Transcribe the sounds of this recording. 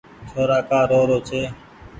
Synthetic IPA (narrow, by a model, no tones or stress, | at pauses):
t͡ʃʰoːɾaːkaːɾoːɾoːt͡ʃʰeː